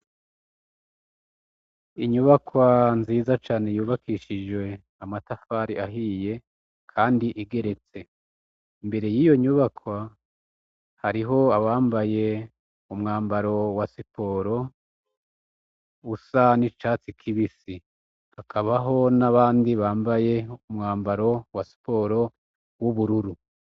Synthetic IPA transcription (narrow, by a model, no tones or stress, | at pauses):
iɲuβakwanziːzat͡ʃaːne̞juːβakʰiʃid͡ʒwe̞ | amatafaːɾiaɦiːje̞ | kʰaːndiʔiɡe̞ɾe̞t͡se̞ | imbe̞ɾe̞jiːjo̞ɲuβakwa | haɾiɦo̞aβaːmbaje̞ | umŋaːmbaɾo̞wasipo̞ːɾo̞ | usanit͡ʃaːt͡sikʰiβisi | hakʰaβaɦo̞naβaːndiβaːmbaje̞umŋaːmbaɾo̞wasi̥po̞ːɾo̞ | wuβuɾuɾu